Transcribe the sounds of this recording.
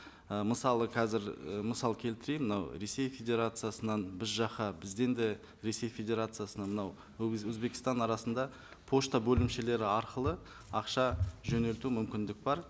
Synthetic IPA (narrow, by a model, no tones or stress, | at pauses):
əməsɑlˠəqʰɑzɪɾəməsɑlˠkʲʰe̞lt̪ɪɾejmənɑwɾe̞se̞jfʲe̞d̪ʲe̞ɾat̪sɨjasənɑnbɪzʒɑqɑbɪzd̪e̞nd̪e | ɾe̞se̞jfʲed̪ʲe̞ɾat̪sɨjasənɑmənɑw | ɵzbe̞kʲɪ̥st̪ɑnɑɾɑsənd̪ɑ | pʰo̞ʃt̪abɵlɪmʃe̞le̞ɾɪɑɾqəlˠə | ɑqʃɑʒɵne̞lt̪umʏmkʲɪnd̪ɪk̚bɑɾ